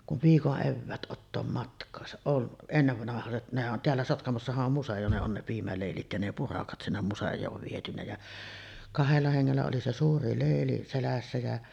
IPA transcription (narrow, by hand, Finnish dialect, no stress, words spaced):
kuʋ ʋiːkoʔ ʔeʋːæːt ʔotːoːm mɑtkˑɑːsɑ on enːeʋːɑnɑhɑset nehæ ʔon teælːæ sotkɑmosːɑhɑʔ ʔom musej̆o ne on ne piːmæleˑilit jɑ ne purɑkɑt sinːem musejˑoːʋ ʋietynæ jɑ kɑhelːɑ heŋːelːæ oli se suːri leˑili selæsːæ jæ